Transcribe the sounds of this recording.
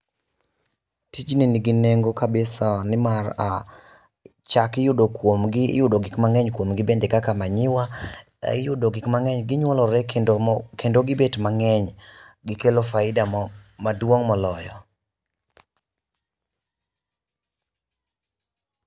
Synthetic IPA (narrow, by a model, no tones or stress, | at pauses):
tid͡ʒniniɡɪneŋɡokabɪsanɪmara | t͡ʃakɪjʊdokwomɡɪ̰jʊdoɡɪkmaŋɛɲkwomɡɪbendekakamaɲɪwa | ɪjʊdoɡɪkmaŋɛɲɡɪɲwɔlɔɾɛkendoɡɪbetmaŋɛɲ | ɡɪkelofaɪdamadwoŋmɔlɔjɔ